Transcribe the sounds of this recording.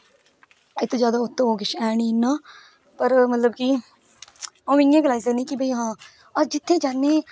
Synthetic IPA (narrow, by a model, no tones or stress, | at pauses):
et̪ːõd͡ʒjaːd̪aːʊt̪ːõːɦoːɡɪʃɛːɳĩːnːaː | pəɾmət̪ləbkiː | õːɪ̃ŋɡeːɡəlaːizənĩːkibəiːɦãː | əɾd͡ʒɪt̪ʰːẽːd͡ʒaːnːẽː